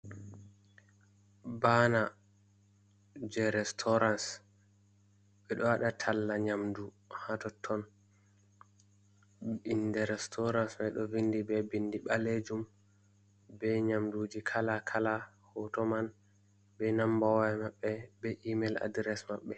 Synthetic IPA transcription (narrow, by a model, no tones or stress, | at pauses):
bana | d͡ʒɛɾɛstʰɔɾans | ɓɛɗɔwaɗatʰalːaɲamdu | hatɔtʰːɔn | indɛɾɛstʰɔɾansmɛɗɔvindibɛbindiɓaled͡ʒum | bɛɲamdud͡ʒikʰalakʰala | hɔtɔman | bɛnambawamaɓːɛbɛʔimɛla̰dɾɛsmaɓːɛ